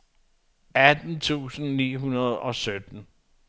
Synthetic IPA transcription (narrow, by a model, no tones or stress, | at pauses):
æd̥n̩t͡sʰṵːsn̩nḭːɦunɐð̞ˠɒ̽sød̥n̩